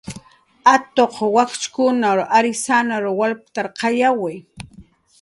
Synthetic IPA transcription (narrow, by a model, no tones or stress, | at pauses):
at̪oqwakt͡ʃkʊnaɾʔaɾɪsanaɾwalpt̪aɾqɑjawaj